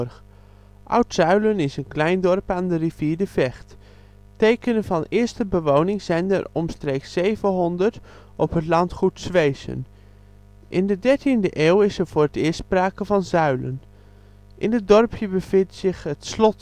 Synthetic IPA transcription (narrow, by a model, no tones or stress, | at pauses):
r | ʔʌ̰wtsœɥlənɪsənklɛjndɔrpaːndəriv̥iːɹdəvɛχt | tejkənənvɑnɪːəɹstəbəʋownɪŋz̥ɛjndə̰rɔmstreːksːejvəɦɔndəɹt | ʔɔpɦətlɑntχutsʋejsə̰n | ʔɪndədɛɹtindəʔeːwɪsəɹv̥ʊːrətɪːspraːkəvɑnzœɥlə̰n | ʔɪnət̚dɔrpʰjəbəvɪntsɪxətslɔt